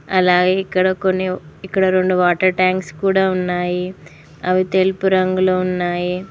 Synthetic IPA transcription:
ɐlaːɡe̞ːikːɐɽɐko̞nːiikːɐɽɐɾo̞ɳɖuʋaːʈɐɾʈaːŋkskuːɽaːunːaːji | ɐʋit̪e̞lupuɾɐŋɡuloːunːaːji

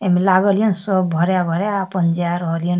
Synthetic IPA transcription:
emilaɡʌlijɔnsɔbbʱʌɾjabʱʌɾjaːpʌnd͡ʒaɾʌɦʌlijɔn

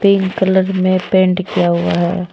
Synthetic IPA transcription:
pɪ̃ŋɡkələɾmẽpẽːɳʈkijaɦʊa̰ɦɛ̰ː

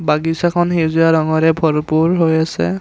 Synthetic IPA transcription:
baɡisakʰɔnxezujaɹɔŋɔɹɛbʱɔɹpuɹɦojasɛ̰

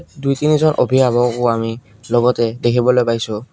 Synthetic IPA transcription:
dujtinizɔnʔobʱiabɔkʊami | lɔɡɔtɛdekʰibɔlojpajsʊ

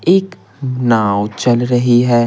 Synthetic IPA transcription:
eːk | naːwt͡ʃɐlɾɐɦiɦɛː

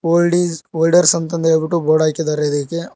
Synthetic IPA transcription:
ɖioːlɖɐɾsɐnt̪ɐnd̪ebiʈːuboːɽaːkid̪aːɾed̪eke

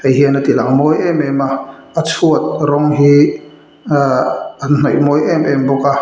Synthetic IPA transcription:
ɐjɦiənat̪ilaŋmɔjʔɛmɛmaːt͡sʰuət̪̚ɾɔŋɦi | a | n̥ɔjmɔjʔɛmʔɛmbɔka

